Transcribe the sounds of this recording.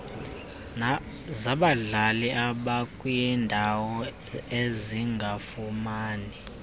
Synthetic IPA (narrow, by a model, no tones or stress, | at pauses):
zaɓaɮaliʔaɓakʼujɛndʱawɔ | eziŋɡʱafumaːni